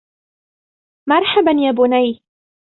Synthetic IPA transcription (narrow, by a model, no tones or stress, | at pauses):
mɑɾˤħabanjaːbʊnaj